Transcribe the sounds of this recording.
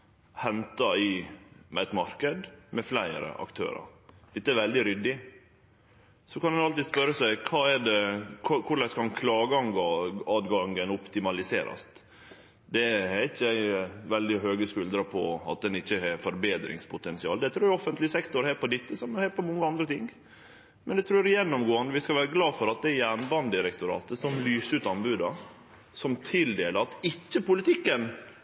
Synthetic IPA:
hɛnt̪ɑɪmɛɛt̪mɑɾkəd̪mɛflæɪɾə̰ʔɑ̰kt̪ʰø̰ːɾɑ̰ɾd̪ɪt̪ːəɛɾʋɛld̪ɪɾʏd̪ːɪ | sɔkɑnd̪ɛnɑlt̪id̪spœɾəsæɪkʰɑːɛɖɛkʰkʰʊɾɭlæskʰɑnkʰlɑːɡəɑŋɡɑːd̪ɡɑŋənɔpt̪ɪmɑlɪseːɾɑ̰st̪ | d̪ɛæɾɪçːəæɪʋɛld̪ɪɦøːɡəskʉld̪ɾɑpʰɔ̰ɑ̰t̪̚d̪ɛnɪçːəɦɛfɔɾbeːd̪ɾɪ̰ŋspʰʊt̪ɛnsɪɑ̰ːld̪ɛt̪ʰɾʉːɾɔfːənt̪lɪsɛkt̪ʊɾhɛɾpʰɔd̪ɪt̪ːəsɔmhæːɾpʰɔmɔŋːəɑnd̪ɾət̪ʰɪŋ | mɛnd̪ɛt̪ʰɾʉːɾjɛnːɔmɡoːɑnd̪əʋɪskɑʋæːɾəɡlɑːfɔɾɑt̪̚d̪ɛjæːɳbɑnd̪ɪɾɛkt̪ʊɾɑ̰ːt̪əsɔmlyːsʉːt̪ɑnbʉːd̪ɑ | sɔmt̪ʰɪld̪eːləɾɑt̪ɪt͡ʃːəpʊlɪt̪ʰɪkːən

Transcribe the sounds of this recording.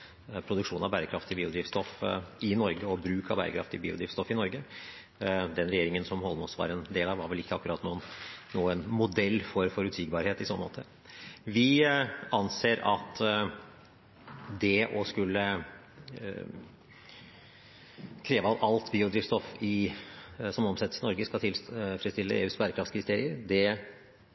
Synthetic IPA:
pʰɾʊd̪ʉkʂuːnɑʋbæːɾəkʰɾɑft̪ɪbiːʊd̪ɾiːʋst̪ɔfɪnɔɾɡəɔbɾʉːkʰɑʋbæ̰ːɾəkʰɾɑ̰ft̪ɪbiːʊd̪ɾiːʋst̪ɔfɪnɔɾɡə | d̪ɛnɾɛjeːɾɪŋənsɔmhɔlːəməɔsʋɑ̰ːɾɛnd̪eːlɑʋɑɾʋɛlɪkːəɑkːʉɾɑːt̪ːnuːnːuːənmʊd̪ɛlːfɔɾfɔɾʉt̪siːɡbɑːɾheːt̪ɪsɔnːəmo̰ːt̪ʰə | ʋɪɑnseːɾɑt̪ | d̪ɛʔɔskʉlːə | kʰɾeːʋəɑʋɑlt̪biːʊd̪ɾiːt̪st̪ɔfɪ | sɔmɔmsɛt̪əsənɔɾɡəskɑt̪ʰɪlfɾɛst̪ɪlːəḛːʉːsbæɾəkʰɾɑft̪skʰɾɪst̪eːɾɪəɾd̪ɛ

